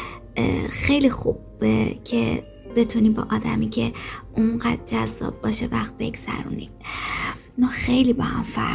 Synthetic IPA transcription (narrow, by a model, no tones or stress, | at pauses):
xe̞jlixub | ecʰe | be̞t̪ʰuniːbɒ̰ːʔɒːd̪æmiːcʰe̞ʔuɴɢæd̪̚d͡ʒæzːɒ̰ːb̚ːɒːʃevæxt̪̚be̞ɡz̥æ̰ɾṵːnid̪̥ | mɒːxejliːbɒːhæmfæ̰